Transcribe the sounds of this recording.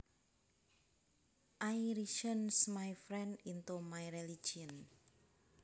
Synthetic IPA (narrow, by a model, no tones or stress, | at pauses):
ʔajɾiʃənsmajfɾɛndint̪umajɾeli̥d͡ʒiən